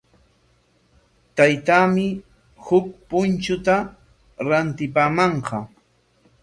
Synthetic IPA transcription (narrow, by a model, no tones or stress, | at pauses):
t̪ajt̪aːmɪ | hʊk̚pʊnt͡ʃʊt̪a | ɾant̪ɪpaːmɑɴqɑ